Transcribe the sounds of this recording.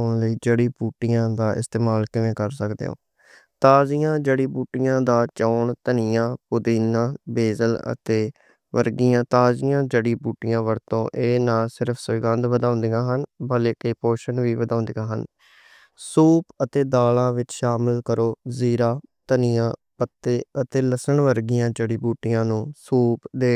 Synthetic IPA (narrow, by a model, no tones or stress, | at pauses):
ʊɳləiːd͡ʒəːɽiːbuːʈijãːd̪aːʔɪ̰st̪eːmaːlkɪʋẽːkəɾsəkd̪ḛːõ̰ː | t̪aːzijãːd͡ʒeːɽiːbuːʈijãːd̪aːt͡ʃɔːɳt̪ənɪjãːpʊd̪iːnãːbeːzələ̰t̪eː | ʋəɾɡijãːt̪aːzijãːd͡ʒeːɽiːbuːʈijãːʋəɾt̪õ̰ːʔeːnaːlsɪɾəpʰsʊɪɡə̃nd̪ʋəd̪ãːnd̪ijãːɦənbəleːkɪpoːʃənʋiːʋəd̪ãːnd̪iːãːɦən | suːpət̪eːd̪aːlãːʋɪt͡ʃʃaːmɪlkəɾoːziːɾaːt̪ənɪjãːpət̪ːeːət̪eːləsəɳʋəɾɡɪjãːd͡ʒeːɽiːbuːʈɪjãːnũːsuːpd̪eː